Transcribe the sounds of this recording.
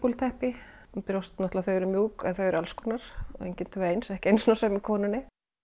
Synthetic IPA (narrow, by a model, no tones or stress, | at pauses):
kult̪ʰɛhpɪ | pɪɾowst̪nɔht̪laθœɥɛɾʏmjuːkɛnθœɥɛɾʏalskɔnaɾ̥ɔ̰ḛjɲcɪnt̪ʰvœejnsɛhcɪejnsɔnasɛmikʰɔːnʏnːɪ